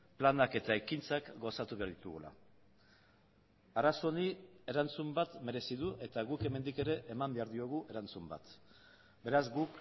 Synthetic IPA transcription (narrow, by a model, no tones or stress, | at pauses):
planake̞t̪aekint͡sakɡo̞sat̪uβe̞aɾðit̪uɣula̰ | aɾasoonie̞ɾant͡sumbat̪me̞ɾe̞siðuʔe̞t̪aɣuke̞me̞nd̪ike̞ɾe̞ʔːmambe̞aɾðio̞ɣ̞uʔe̞ɾant͡sumba̰t̪ | be̞ɾazɡuk